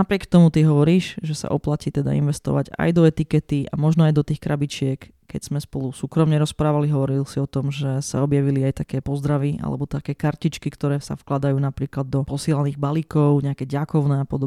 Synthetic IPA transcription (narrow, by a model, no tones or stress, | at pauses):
napɾɪɛkt̪ɔmut̪iɦɔʋɔɾiːʒʒɛsa̰ʔɔplaciːt̪ɛd̪a̰ḭnʋɛst̪ɔ̰ʋa̰ɟa̰jd̪ɔɛt̪ikɛt̪iʔa̰mɔʒnɔajd̪ɔt̪iːxkɾabit͡ʃɪɛk | kɛɟz̥mɛspɔlusuːkɾɔmɲɛɾɔspɾaːʋaliɦɔʋɔɾilsiɔt̪ɔmʒɛsa̰ɔbjaʋiliajt̪akɛːpɔzd̪ɾaʋiʔa̰lɛ̰bɔt̪akɛːkaɾcit͡ʃkikt̪ɔɾɛːsa̰fklad̪ajuːnapɾiːklad̪ːɔpɔsɪɛlaniːɣbalikɔʊɲɛakɛɟakɔʊnɛːapɔd̪ɔbɛ